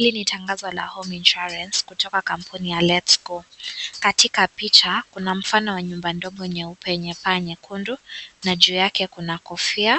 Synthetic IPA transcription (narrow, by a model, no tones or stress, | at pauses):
hilinitaŋɡazɔla̰hɔminʃuɾanskutɔkakam̩pʰunijalɛtsɡɔkatikapit͡ʃakunam̩fanɔwaɲumbandɔɠɔɲɛupɛɲɛpaɲɛkʰundunaʄuːjakɛkunakɔfia